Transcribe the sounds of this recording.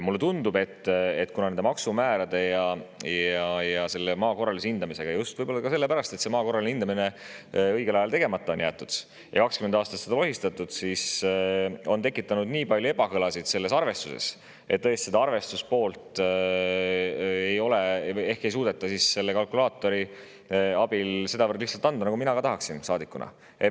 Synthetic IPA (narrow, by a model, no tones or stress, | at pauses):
mulːet̪und̪ube̞t̪ˑːet̪ːkunɑnend̪emɑksumæːɾɑd̪̥e̞jɑjɑjɑse̞lːemɑːko̞rɑlisind̪̥ɑmise̞ɡ̥ɑjust̪vɤjbo̞lːɑkɑse̞lːe̞pæɾɑst̪e̞t̪se̞mɑːko̞rːɑlinind̪ɑmine | ɤjɡe̞lɑjɑlt̪e̞ɡ̥e̞mɑt̪ˑːɑo̞njæːt̪ːˑud̪̥ | jɑ̰kɑkskymend̪ɑːst̪ɑt̪se̥ɑlo̞ɦist̪ɑt̪ːˑud̪̥sis | o̞nt̪e̞kːˑit̪ːˑɑnud̪niːpɑlʲjoe̞bɑkɤlɑsid̪̥se̞lːe̞sɑrve̞st̪usḛs | ʔet̪t̪ːɤst̪se̞d̪ɑɑrve̞st̪uspo̞ːlt̪ˑ | ejo̞lee̞hke̞js̬uːd̪̥et̪ːˑɑsisse̞lːekɑlkulɑːt̪ːˑo̞ɾi | ɑb̥ilse̞d̪ɑvɤrd̪liht̪sɑlt̪ːˑɑnd̪ɑnɑkuminɑkɑt̪ɑɦɑksinsɑːd̪ikːˑunɑ̰ | e